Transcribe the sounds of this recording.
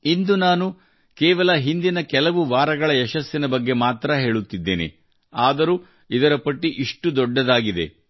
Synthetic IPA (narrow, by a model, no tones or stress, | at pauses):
ind̪unaːnu | kɛːʋɐlɐɦind̪inɐkɛlɐʋuʋaːɾɐɡɐɭɐɛʃɐsjɐnɐbɐɡːe̞maːt̪ɾɐɦe̞ːɭut̪ːid̪ːeːnḛ | aːd̪ɐɾuː | id̪ɐɾɐpɐʈːiʔiʂʈud̪ɔɖːɐd̪aːɡid̪e̞̰